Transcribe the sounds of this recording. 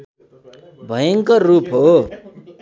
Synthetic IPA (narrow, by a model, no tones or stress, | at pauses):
bʱʌjʌŋkʌrupʰɦo